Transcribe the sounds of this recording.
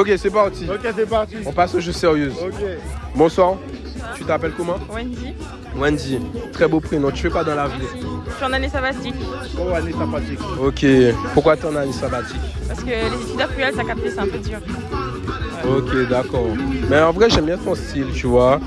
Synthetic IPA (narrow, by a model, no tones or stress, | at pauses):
ok̬ʲesɛpaʁt̪iokʲesɛpaʁt̪iɔ̃pasɔʒuseʁjøzokʲebɔ̃swaʁ | t̪yt̪apɛlkɔmɑ̃wɛ̃nd̪i | wɛ̃nd̪it̪χɛbopχenɔ̃t̪yfɛkwad̪ɑ̃lavit̪yɑ̃nanesabat̪ikoanesãpat̪ikokʲepuʁkwat̪yɑ̃nanesabat̪ikpaʁsə̥kəlezit̪yd̪akyɛlsakap̚t̪esãpød̪iʁ | okʲed̪akɔʁmɛɑ̃vʁɛʒɛmbjɛ̃t̪ɔ̃st̪ilt̪yvwa